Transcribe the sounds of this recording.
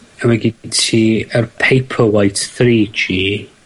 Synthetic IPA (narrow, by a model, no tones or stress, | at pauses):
awɛɡitʰiːərpʰejpʰəwajtθriːd͡ʒiː